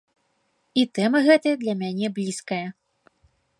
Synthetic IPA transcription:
it̪ɛmɐɣɛt̪ɐjɐd̪lʲɐmʲanʲɛblʲiskɐjɐ

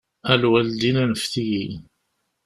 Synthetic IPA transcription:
ælwæld̪inænəfθiji

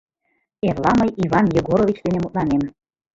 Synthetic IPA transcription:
erlɑməjiβɑnjəɡoɾoβit͡ɕd̪enemut̪̚lˠɑnem

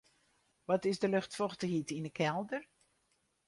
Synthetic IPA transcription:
ʋɔtɪzdəlʏxtfɔxtəhitinəkʰɛlˠdər

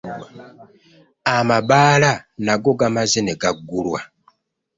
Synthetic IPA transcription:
amabaːlanaɡo̞ɡamazeneɡaɡːulwa

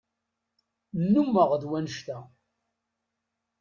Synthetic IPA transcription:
nːumːəʁðwænəʃt̪æ

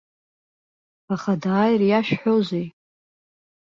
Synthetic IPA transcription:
aχadaːjrjaʃᶣħozej

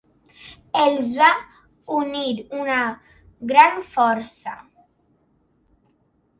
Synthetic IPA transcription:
elzβa | uniɾuna | ɡɾanfɔɾsa̰

